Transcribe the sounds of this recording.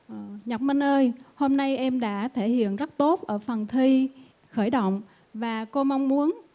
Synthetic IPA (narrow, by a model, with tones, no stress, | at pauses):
ʔɲə˨˩k͡p̚mə˧nʔəː˧jho˧mna˧jʔɛ˧mɗa̰ː˧˥t̪ʰe˧˩hḭ˧˨ənzə˦˥t̚t̪o˦˥t̚ʔəː˧˩fə˨˩nt̪ʰi˧ | xəː˧˩jɗə̰˧˨wŋ͡m | vaː˨˩ko˧ma˧wŋ͡mmu˨˦ən